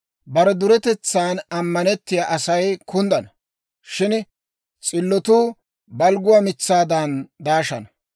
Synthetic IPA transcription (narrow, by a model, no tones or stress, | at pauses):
bɐɾɛd̪ʊɾɛt̪ɛt͡sːaːnɐmːɐnɛt̪ːɪjaːʔɐsɐjkʰʊnd̪ɐnɐ | ʃɪn | t͡sʼɪlːɔt̪uː | bɐlɡʊwaːmɪt͡sːaːd̪and̪aːʃɐnɐ